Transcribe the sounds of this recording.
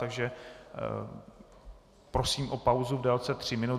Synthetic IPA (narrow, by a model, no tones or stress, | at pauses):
t̪aɡʒɛ | pɾosiːmʔopawzuvdɛːlt͡sɛt̪r̝̥ɪmɪnu